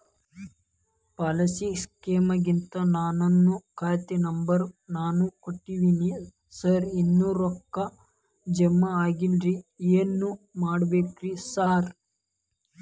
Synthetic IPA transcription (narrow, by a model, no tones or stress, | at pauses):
pɐlɐsiskeːmɐɡint̪ɐnaːnɐnːukʰaːjt̪inɐmbɐɾnaːnukoʈːiʋini | sɐɾinːuːɾɔkːɐ | d͡ʒɛmːɐaːɡilɾieːnːumaːɽɐbeːkɾisaːɾ